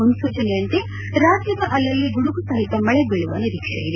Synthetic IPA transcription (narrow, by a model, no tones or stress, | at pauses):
unsuːt͡ʃɐnejɐnt̪e | ɾaːd͡ʒjɐbɐʔɐlːɐlːiɡuɽuɡusɐɦit̪ːɐmɐɭɛbiɭuʋɐniɾikʂɐ̰jiɾe